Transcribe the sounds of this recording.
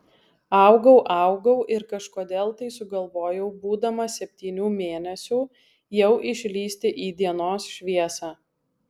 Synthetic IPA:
ɑˑʊɡɐʊʔɑˑʊɡɐʊʔɪɾkɐʃkoːd̪ʲeːlˠt̪ɐɪsʊɡɐlˠʋoːjɛʊbuːd̪ɐmɐsʲɛpʲt̪ʲiːnʲuːmʲeːnʲɛsʲuː | jɛʊʔɪʃʲlʲiːsʲt̪ʲɪʔiːd̪ʲiɛnoːsʃʲʋʲiɛsɑː

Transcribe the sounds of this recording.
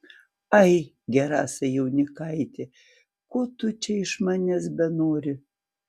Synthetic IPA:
ɐɪ | ɡʲɛɾɑ̰ːsʲɐjɛʊnʲɪkɐɪt̪ʲe | koːt̪ʊt͡ʃʲɛɪʃmɑːnʲɛsbʲɛnoːɾʲɪ

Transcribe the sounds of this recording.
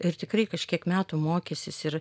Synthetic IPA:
ɪrt̪ʲɪkɾɐɪkɐʃʲkʲiɛkmʲæːt̪uːmoːkʲesʲɪsɪɾ

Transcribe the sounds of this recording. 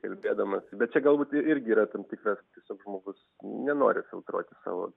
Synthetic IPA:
kɐlʲbʲeːd̪ɐmɐsbʲɛt̪̚t͡ʃʲɛɡɐlˠbuːt̪ɪɪɾʲɡʲɪiːɾɐt̪ɐmtʲiːkrɐst̪ʲiɛsʲoːkʒmoːɡʊs | nʲɛno̰ːɾʲɪfʲɪlˠt̪ɾo̰ːt̪ʲɪsɑ̰ːʋo̰ː

